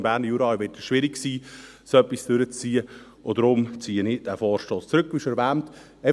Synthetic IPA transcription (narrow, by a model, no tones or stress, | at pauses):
mb̥æːɾnəjuːɾɑɪʋɪtəsʃʋɪɾiksiː | sœpːisd̥øɾət͡st͡siːə | odɾʊmt͡siːənɪd̥æfɔːɾʃtoːst͡sɾɵkːʋiːʃɛɾʋæːmt̪ | ɛ